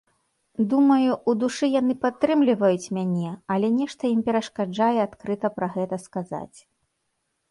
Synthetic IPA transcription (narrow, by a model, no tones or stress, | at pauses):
d̪umɐjuʔud̪uʂɨjanɨpat̪ːɾɨmlʲivɐjut͡sʲmʲanʲɛɐlʲɛnʲɛʂt̪ɐimpʲɛɾɐʂkad͡ʐajɛat̪kɾɨt̪ɐpɾɐɣɛt̪ɐskaza̰t͡sʲ